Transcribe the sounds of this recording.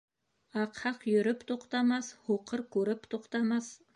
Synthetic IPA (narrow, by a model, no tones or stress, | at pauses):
ɑqhɑqjʏɾɪpt̪ʰoqt̪ɑmɑshoqəɾkʲʰɵɾɪpt̪ʰoqt̪ɑmɑs